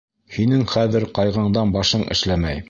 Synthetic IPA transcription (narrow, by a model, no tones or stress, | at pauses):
hinɘŋχæðɘɾqɑjʁɑɴd̪ɑnbɑʃɤɴɘ̰̆ʃlæmæj